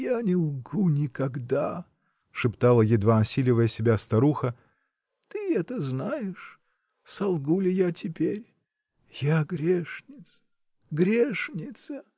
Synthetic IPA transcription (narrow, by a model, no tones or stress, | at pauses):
janʲɪlˠɡunʲɪkɐɡd̪a | ʂɨpt̪alˠəjɪd̪vaɐsʲilʲɪvəjəsʲɪbʲast̪ɐɾuxə | t̪ɨɛt̪əznajɪʂ | sɐlˠɡulʲɪjatʲɪpʲeɾʲ | jaɡɾʲeʂnʲɪt̪s | ɡɾʲeʂnʲɪt̪sə